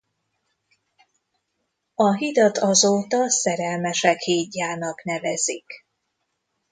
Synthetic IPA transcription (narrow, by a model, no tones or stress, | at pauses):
ɒɦid̪ɒt̪ɒzoːt̪ɒsɛɾɛlmɛʃɛkhiːɟːaːnɒkn̪ɛvɛzik